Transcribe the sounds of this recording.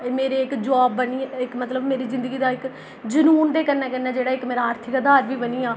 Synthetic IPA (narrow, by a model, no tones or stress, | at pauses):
meːɾeːɪkd͡ʒʋaːbːəniːɪkmət̪ləbmeːɾiːzɪ̃nd̪əɡiːd̪aːɪk | d͡ʒənuːnd̪eːkəɾnɛːkənːeːd͡ʒeːɽaːɪkmeːɾaːɾt̪ʰɪkad̪aːɾʋiːbəniːaː